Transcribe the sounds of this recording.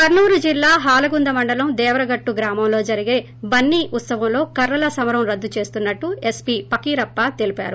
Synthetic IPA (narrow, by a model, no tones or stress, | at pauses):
kɐɾnuːɾud͡ʒilːaːɦaːlɐɡund̪ɐmɐɳɖɐlɐmd̪ɛːʋɾɐɡɐʈːuɡɾaːmɐmlo̞ːd͡ʒɐɾiɡe̞ː | bɐnːiːʔut̪sɐʋɐmlo̞ːkɐɾːɐlɐsɐmɐɾɐmɾɐd̪ːut͡ʃe̞ːst̪unːɐʈːuespiːpɐkiːɾɐpːaːt̪elipa̰ːɾu